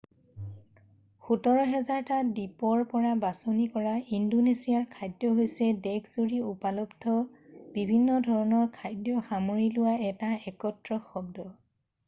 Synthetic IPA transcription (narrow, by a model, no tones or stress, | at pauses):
xutɔɹɔɦɛzaɹtadipɔɹpɔɹabasɔnikɔɹaindonesijaɹkʰajdjɔɦojsɛdɛkʰz̥uɹiupalɔbdʰʱɔb̥ibʱinːɔdʱɔɹɔnɔɹkʰajdjɔxamoɹilʊwaɛtaɛkɔtɹɔxɔb̚dɔ